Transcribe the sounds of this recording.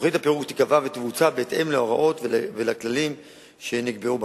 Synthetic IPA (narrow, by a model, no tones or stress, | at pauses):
χid̪apeʁuɡt̪i̥kavavet̪vut͡sabeːt̪ʔe̞mleoʁaʔo̞t̪vvelaklalim | ʃe̞niɡbe̞ub